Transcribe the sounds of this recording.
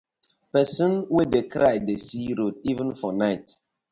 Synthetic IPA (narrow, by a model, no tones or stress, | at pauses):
pɛsə̃nwedekɾajdesiɾotivə̃nfɔnaɪt